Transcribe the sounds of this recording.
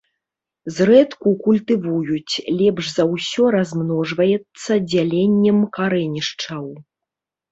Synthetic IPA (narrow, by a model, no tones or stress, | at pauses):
zrɛt̪kukulʲt̪ɨvujut͡sʲlʲɛpʐzɐwsʲɔɾazmnɔʐvɐjɛt̪sːɐd͡zʲalʲenʲːɛmkaɾɛnʲiʂt͡ʂɐw